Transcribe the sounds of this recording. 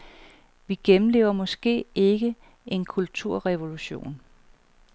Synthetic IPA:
ʋiɡ̥emm̩le̝̰ːʊɐmɒ̽sɡ̥e̝̰ːe̝ɡ̥ə | e̝nkʰult͡sʰuɐ̰ʁɛʋo̝luɕo̝̰ːn

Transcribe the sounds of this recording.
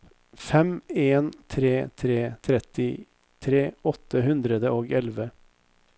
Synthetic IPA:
fɛmeːnt̪ʰɾeːt̪ʰɾeːt̪ʰɾɛt̪ɪ | t̪ʰɾeːɔt̪ːəɦʉnd̪ɾəd̪əoːɡɛlʋə

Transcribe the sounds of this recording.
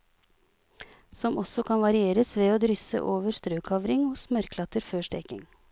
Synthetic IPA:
sɔmʔɔsɔkʰɑnʋɑɾɪeːɾəsʋeːoːd̪ɾʏsə̰ʔoːʋəɾst̪ɾøːkʰɑʋɾɪŋʊsmœɾkʰlɑt̪əɾføːʂʈɛ̰ːkɪ̰ŋ

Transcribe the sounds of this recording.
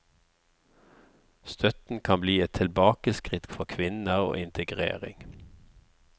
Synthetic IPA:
st̪ʰœt̪n̩kʰɑmbliːɛt̪ʰɪlbɑːkəskʁɪt̪fɔkʰʋɪnəʁo̰ːɪnt̪ʰəɡʁḛːʁɪ̰ŋ

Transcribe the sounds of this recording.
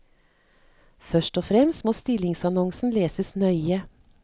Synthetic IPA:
fœʃʈɔfɾɛmst̪moːst̪ɪlɪŋsɑnɔŋsn̩leːsəsnœʏə

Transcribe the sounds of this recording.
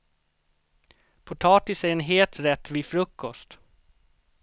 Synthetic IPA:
pʰʊʈ̪ʰɑːt̪ɪsæɾɛnɦeːlt̪ɾɛt̪ːviːfɾɵkːɔst̪

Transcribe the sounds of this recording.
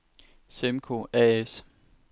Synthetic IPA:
semkʰo̝̰ɛːes

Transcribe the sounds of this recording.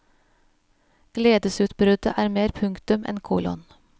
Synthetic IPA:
ɡ̥leːd̪əsʉːt̪bɾʉd̪əʔæːɾmeːɾpʰʉŋkt̪ʉmʔɛ̰nkʰuːlɔ̰n

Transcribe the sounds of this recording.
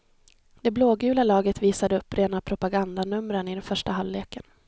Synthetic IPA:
d̪ɛbloːɡʉ̟ːlalɑːɡət̪viːsad̪əɵpːɾeːnapʰɾʊpaɡand̪anɵmːɾənɪd̪ɛnfœʂʈaɦalːeːkən

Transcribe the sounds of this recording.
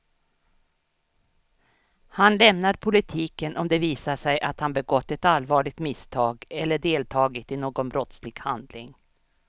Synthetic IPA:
hanlɛmnaɾpʰʊlɪt̪ʰiːkənʔɔmd̪ɛviːsaʂɛjʔat̪hanbɛɡɔt̪ːɛt̪alvɑːɭɪɡ̚t̪mɪst̪ʰɑːɡɛlːəɖeːlt̪ʰɑːɡɪt̪ɪnoːɡɔnbɾɔt̪slɪɡ̥ha̰nd̪lɪ̰ŋ

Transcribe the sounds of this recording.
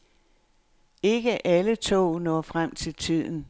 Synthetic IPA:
e̝ɡ̥əʔælət͡sʰo̝̰ːnɒ̰ːfʁam̰t͡sʰe̝lt͡sʰið̰ˠn̩

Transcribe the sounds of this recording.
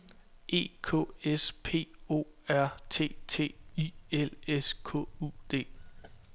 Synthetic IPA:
ʔe̝̰ːkʰɔ̰ːespʰe̝̰ːo̝̰ːæɐ̰t͡sʰe̝̰ːt͡sʰe̝̰ːieleskʰɔ̰̽ud̥e̝̰ː

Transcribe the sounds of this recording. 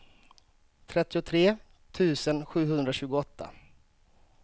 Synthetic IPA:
t̪ʰɾɛt̪ːɪʊt̪ʰɾeː | t̪ʰʉ̟ːsənɧʉ̟ːɦɵnd̪ɾaɕʉ̟ːɡʊɔt̪ʰːa̰

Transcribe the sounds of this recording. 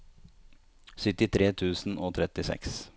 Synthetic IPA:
sʏt̪ɪt̪ʰɾeːt̪ʰʉːsn̩oːt̪ʰɾɛt̪ɪsɛ̰ks

